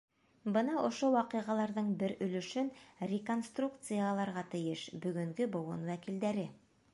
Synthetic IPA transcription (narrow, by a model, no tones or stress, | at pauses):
bɤnɑʔŏʃowɑqɤ̆jʁɑlˠɑɾðɤɴbɘɾɵ̆lɵ̆ʃɵnrʲɪko̞nst̪ruk̚t̪sɨjalˠɑɾʁɑt̪ɘ̆jɘʃbɵ̆ɡɵ̆ŋɡɵbŏwɤ̰nwækild̪æɾɘ